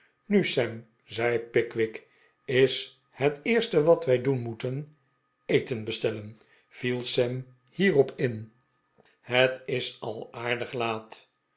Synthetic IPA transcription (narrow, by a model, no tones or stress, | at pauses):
nysɛm | zɛjpɪkʋɪk | ɪs | hətɪːɹstəʋɑtʋɛjdunmutən | ejtənbəstɛlən | v̥ilˠsɛm | hiːʁɔpʰɪn | ɦətɪsɑ̰lˠaːɹdəχlaːt